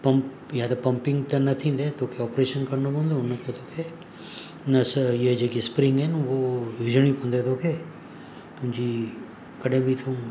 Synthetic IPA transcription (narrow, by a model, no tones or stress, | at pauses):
pɐmp | jaːd̪ɐpɐ̃mpɪ̃ŋɡt̪ɐnɐt̪ʰĩnd̪et̪oːkʰeɔːpɾeːʃənkɐɾnobɐ̃nd̪onːɐt̪et̪ʰoːkʰe | nɐsjed͡ʒekispɾɪ̃ŋɡɦɛnʋoʋid͡ʒəɳ̃ipɐ̃nd̪et̪ʰoːkʰe | t̪ʊ̃d͡ʒi | kɐɖẽbʱit̪ʰũ